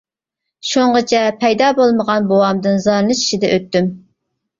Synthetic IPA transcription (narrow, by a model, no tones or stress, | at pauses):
ʃoɴʁət͡ʃʰɛpʰɛjd̪ɑːbolˠməʁɑnbowɑmd̪ɨnzɑɾnɨt͡ʃʰi̥ʃid̪ɛʔøt̪ːym